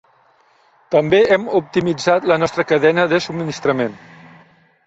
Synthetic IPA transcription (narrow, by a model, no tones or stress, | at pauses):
t̪əmbeɛmup̚t̪imid͡zat̪lənɔst̪ɾəkəðɛnəðəsubminist̪ɾəmen